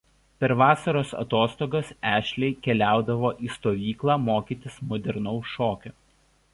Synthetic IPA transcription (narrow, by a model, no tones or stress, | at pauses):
pʲɛɾʋɑːsɐɾoːsɐ̰t̪oːst̪oːɡosæːʃʲlʲɛɪkʲɛlʲæˑʊd̪ɐʋoːʔiːst̪oːʋʲiːklˠɑːmoːkʲiːt̪ʲɪsmɔd̪ʲɛɾnɔʊʃoːkʲʊ